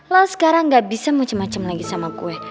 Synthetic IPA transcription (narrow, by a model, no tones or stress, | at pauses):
lausə̥kaɾaŋɡaʔbisamat͡ʃamat͡ʃamlaɡisamakṵɛ